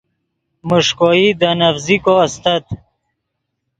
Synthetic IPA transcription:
muʂkoid̪ənəfzikoast̪ət̪

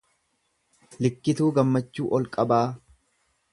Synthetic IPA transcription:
lɪkːɪt̪uːɡɐmːɐt͡ʃːuːʔɔlkʼɐbaː

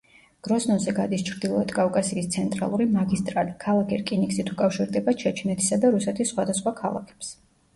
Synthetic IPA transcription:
ɡ̥ɾɔsnɔnzɛɡad̪ist͡ʃʰɾd̪ilˠɔɛt̪ʰkʼavkʼasiːst̪sʰɛnt̪ʼɾa̰lˠuɾimaɡist̪ʼɾalikʰalˠakʰɛɾkʼinikʼsit̪ʰukʼafʃiɾd̪ɛbaʃʰɛt͡ʃʰinɛt̪ʰi̥sad̪aɾusɛt̪ʰisːχwad̪asχwakʰalˠa̰kʰɛ̥ps

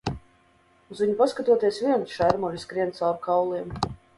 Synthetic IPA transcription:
uzviɲupaskat̪uɔt̪iɛsvʲiɛnʃæɾmɔlʲiskɾiɛnt̪salɾkawlˠiɛm

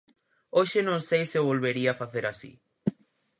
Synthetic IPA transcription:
oʃenõŋsejseβolβeɾiafaθeɾasḭ

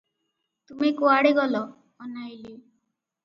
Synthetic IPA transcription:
t̪umikoaɽiɡɔlɔː | najli

